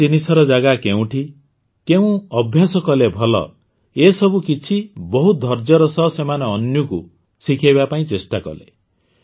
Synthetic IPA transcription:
t̪inisɔɾɔd͡ʒaɡakeũʈʰi | keũɔbʱjasɔkɔlebʱɔlɔ̰ | esɔbukit͡ʃʰibɔɦud̪ʱɔɾd͡ʒɔɾɔsɔsemaneɔnjuku | sikʰajbapaĩt͡ʃesʈakɔ̰lḛ

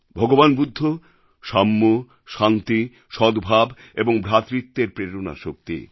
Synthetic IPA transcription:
bʱɔɡobanbud̪ʱːo | ʃamːo | ʃant̪i | ʃɔd̪bʱab | eboŋbʱɾat̪ɾit̪ːeɾpɾeɾona̰ʃok̚t̪ḭ

